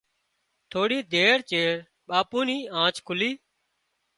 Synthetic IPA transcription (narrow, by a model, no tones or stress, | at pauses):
t̪ʰoːɽiːd̪ʱeːɾt͡ʃeːɾ | ɓaːpuːniːãːt͡ʃkʰʊliː